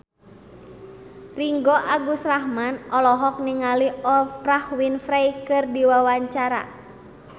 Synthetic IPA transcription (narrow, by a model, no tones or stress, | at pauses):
riŋɡɔʔaɡusrahmanɔlɔɦɔk̚niŋaliɔprahwinfɾajkɨrdiwawaɲt͡ʃaɾa̰